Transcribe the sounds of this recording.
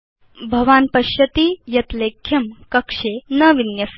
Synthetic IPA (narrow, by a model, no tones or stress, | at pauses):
bʱɐʋaːnpɐɕjɐt̪iːjɐt̪lekʰːjɐmkɐkʂenəʋinjɐs